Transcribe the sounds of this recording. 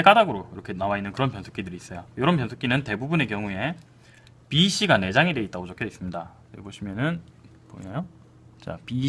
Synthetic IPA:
ek͈adaɡɯɾokiɾʌkʰe̞nawainːɯnkɯɾʌnpjʌnsʰok͈idɯɾiːs͈ʌjojoɾʌnp̬jʌnsʰok͈inɯnte̞bubune̞kjʌŋue̞ | piɕ͈iɡane̞d͡ʑaŋide̞it͈̚aɡot͡ɕokʰʌis͈ɯmɲida | eboɕʰimjʌnɯn | po̰ɲajo | t͡ɕa̰pi

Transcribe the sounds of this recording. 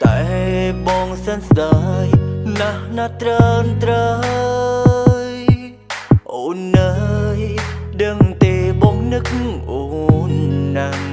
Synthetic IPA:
t̪aɛɓɔŋsənsɗajnahnat̪ɾənt̪ɾə | jj | ʔoːnːəj | ɗəŋt̪eːɓɔŋnɨk̚ʔonːa

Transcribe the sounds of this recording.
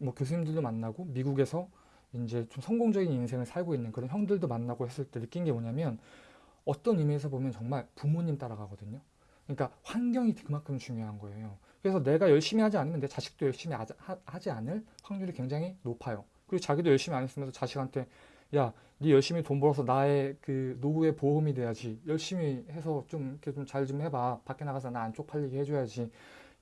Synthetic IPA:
mwʌkjos̬ʰuɲimdɯɭdomanːaɡomiɡuɡe̞sʰʌ | ind͡ʑe̞t͡ɕomsʰʌŋɡoŋd͡ʑʌɡininsʰe̞ŋɯɭsʰaɭɡoinːɯnkɯɾʌnçjʌŋdɯɭdomanːaɡohe̞s͈ɯɭt͈enɯk͈inɡe̞moɲamjʌn | ʌt͈ʌnimiesʰʌbomjʌnt͡ɕʌŋmaɭpumuɲimt͈aɾaɡaɡʌdɯɲo | kɯɲik͈aɸwanɡjʌŋikɯmankʰɯmt͡ɕuŋjoɦanɡʌe̞jo | kɯɾe̞sʰʌne̞ɡajʌɭɕ͈imihad͡ʑianɯmjʌndet͡ɕaɕʰi̥k̚t͈ojʌɭɕ͈imiahad͡ʑianɯɭɸwaŋɲuɾikwe̞ŋd͡ʑaŋɦinopʰajo | kɯɾiɡot͡ɕaɡidojʌɭɕ͈imiaɲes͈ɯmjʌnsʰʌt͡ɕaɕʰikɦantʰe̞ | ja | nijʌɭɕ͈imitombʌɾʌsʰʌnae̞kɯnobue̞poɯmidwe̞jad͡ʑijʌɭɕ͈imihe̞sʰʌt͡ɕomkʰet͡ɕomt͡ɕaɭt͡ɕomhe̞bapak͈enaɣasʰʌnaːnt͡ɕ͈ok̚pʰaʎːiɡihe̞d͡ʑojad͡ʑi

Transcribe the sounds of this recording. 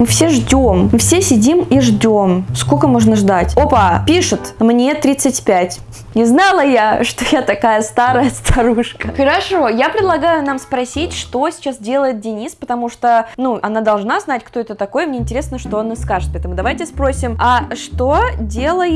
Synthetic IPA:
mɨfsʲeʐdʲommɨfsʲesʲɪdʲimiʐdʲo̞mskokəmo̞ʐnəʐd̪atʲopapʲiʂɨt̪mnʲe̞t̪ɾʲit̪sɨtʲpʲætʲ | nʲɪznalˠəjaʂt̪o̞jat̪ɐkajəst̪aɾəjəst̪ʰɐɾuʂkəxəɾɐʂo̞japɾʲɪd̪lˠɐɡajʊnamspɾɐsʲitʲʂt̪o̞sʲɪ̥t͡ɕasdʲe̞lˠəjɪt̪̚dʲɪnʲispət̪ɐmuʂt̪onuʔɐnad̪ɐlˠʐnaznatʲkt̪o̞ɛt̪ət̪ɐko̞jəmnʲeɪnʲtʲɪɾʲe̞snəʂt̪onɨskaʐɨt̪pɐɛɛt̪əmʊd̪ɐvajtʲɪspɾosʲɪmaʂt̪odʲe̞lˠəj

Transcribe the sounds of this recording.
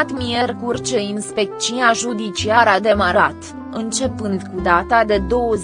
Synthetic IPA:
t̪mijerkurt͡ʃeinspe̞k̚t͡ʃinaʒud̪it͡ʃiaɾad̪e̞maɾat̪ | ɨnt͡ʃe̞pɨnd̪kud̪at̪ad̪e̞d̪o̞wəz

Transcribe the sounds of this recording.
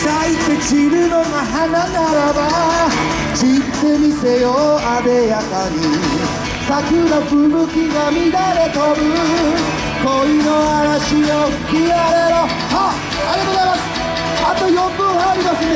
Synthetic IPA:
sait̪ːe̞t͡ɕiɾɯ̟no̞ɡaɦananaɾaba | t͡ɕit̪ːe̞mʲise̞joabe̞jakaɲi | sakɯnaɸɯ̟ɾɯ̟kʲiɡamʲiɾaɾet̪oɾɯ̟ | koinoaɾaɕiokiaɾeɾo | ha | aɾʲiat̪oːozajmasɨ̥ | at̪ojombɯ̃aːɾʲimasɨne

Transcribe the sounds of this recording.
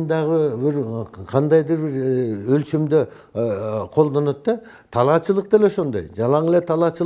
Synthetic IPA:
nd̪ɑʁəbɪɾqʰɑnd̪ɑjd̪əɾbɪɾɵlʃemd̪ɪ | qʰo̞lˠd̪ɑnɑt̪ːɑ | t̪ʰɑlˠɑt͡ʃəlˠəq̚d̪eleʃo̞nd̪ɑ̰jʒɑlˠɑɴlˠet̪ʰɑlˠɑt͡ʃə

